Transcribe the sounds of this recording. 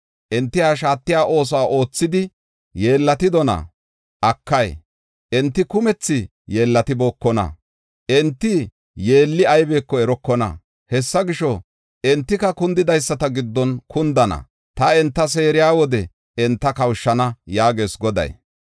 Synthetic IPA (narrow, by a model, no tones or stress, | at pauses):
ʔɛnt̪ːɪhaːʃ̬aːt̪ːɪjaːʔo̞ːs̬ɔaːʔo̞ːt͡sːɪd̪ɪ | je̞ːlːɐt̪ɪd̪ɔnɐ̰ | ʔɐkːɐj | ʔɛnt̪ːɪkʊmɛt͡sːɪ | jeːlːɐt̪ɪboːkːɔnɐ̰ | ʔɛnt̪ːɪ | je̞ːlːɪɐjbe̞ːkːɔɛɾɔkːɔnɐ̰ | hɛsːɐɡɪʃɔ | ɛnt̪ːɪkɐkʊnd̪ɪd̪ɐjsːɐt̪ɐɡɪd̪ːɔnkʰʊnd̪ɐnɐ̰ | t̪ɐɛnt̪ːɐs̬e̞ːɾɪjaːwɔd̪ɛ | ɛnt̪ːɐkɐwʃːɐnɐjaːɡe̞ːsɡɔd̪ɐ̰j